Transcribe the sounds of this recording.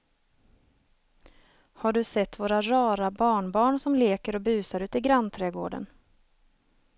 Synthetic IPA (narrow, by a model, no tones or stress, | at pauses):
haɖɵsɛt̪ːvoːɾaɾɑːɾabɑːɳbɑːɳsɔmleːkəɾɔbʉ̟ːsaɾʉ̟ːt̪ɪɡɾant̪ʰɾɛɡo̰ːɖə̰n